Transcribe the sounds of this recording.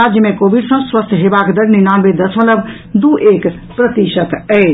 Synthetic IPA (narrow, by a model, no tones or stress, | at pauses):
ad͡ʒjəmẽkoːbiɖsə̃swəst̪ʰɦebakd̪əɾninanbed̪əsʰʋələb | d̪uʔek | pɾət̪iʃət̪ɛɪ